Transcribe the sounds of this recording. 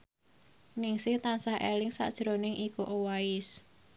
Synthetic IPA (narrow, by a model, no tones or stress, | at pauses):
nɪŋsɪht̪ansahʔelɪŋsa̰ʔd̥ʒ̥ɾonɪŋʔikuʔowaɪs